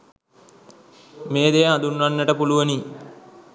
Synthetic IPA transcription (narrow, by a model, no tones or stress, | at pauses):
meːd̪ejəɦad̪unːʋanːəʈəpuluʋəni